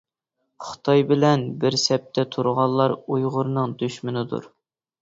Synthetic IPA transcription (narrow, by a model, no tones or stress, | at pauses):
χʊ̥t̪ʰɑjbɪlɛnbɪɾsɛp̚t̪ʰɛt̪ʰuɾʁɑlˠːɑɾujʁʊɾnɨŋd̪yʃmɪnɪd̪ṵɾ